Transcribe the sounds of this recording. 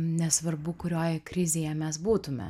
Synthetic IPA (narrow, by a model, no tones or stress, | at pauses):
nʲɛsʋɐrbʊkʊɾʲoːjɛkɾʲɪzʲeːjɛmʲɛsbuːt̪ʊmʲɛ̰